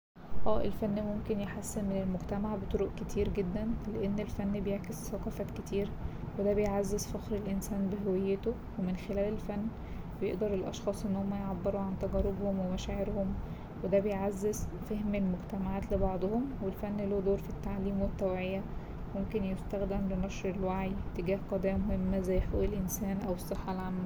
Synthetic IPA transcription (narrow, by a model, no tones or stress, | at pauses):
ʔæːʔelfænːmomkenjeħasːenmenelmoɡt̪æmaʕbet̪ˤoɾoʔket̪ʰiːɾɡed̪ːænleʔenːelfænːbejeʕkesːɑqɑfæket̪ʰiːɾwed̪æbejʕazːezfɑxɾelʔensæːnbeɦowejːet̪o | wemenxelæːlelfænː | bejḛʔd̪ɑɾˤelʔɑ̰ʃxɑːsˤʔenːhomːæjʕabːeɾuʕant̪æɡɑɾːebhomwemæʃæːʕeɾhom | wed̪æbejʕazːezfehmelmoɡt̪æmaʕaːt̪lebɑʕd̪ˤhomwelfænːloːd̪oːɾfit̪ːaʕliːmwet̪ːæwʕejæ | momkenjest̪æxd̪emlenɑʃɾelwaʕit̪ːeɡæːhqɑd̪æːmohemːæzæjːħo̰ːʔelʔensæːnʔæwesˤːeħːɑlʕamːæ